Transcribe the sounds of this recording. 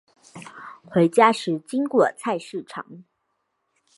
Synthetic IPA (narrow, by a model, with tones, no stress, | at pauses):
xwe˧˥ɪt͡ɕja˥ʂɻ̩˧˥t͡ɕi˥ŋkwɔ˨˩t͡sʰa˥˧ɪʂɻ̩˥˩ʈ͡ʂʰɑ̰˨˧˥ŋ